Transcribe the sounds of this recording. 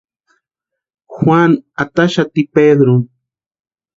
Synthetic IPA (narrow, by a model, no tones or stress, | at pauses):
xwaŋat̪aʃat̪iped̪ɾo